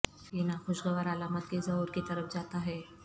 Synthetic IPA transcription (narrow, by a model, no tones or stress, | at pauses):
jinaxoʃɡəʋəɾalamət̪̚kezəɦuːɾkit̪əɾəfd͡zat̪aɦɛ